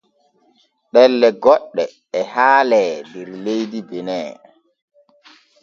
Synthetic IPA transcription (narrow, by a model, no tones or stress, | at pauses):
ɗɛlːɛɡɔɗːɛː | haːlɛndɛɾlejdibɛnɛː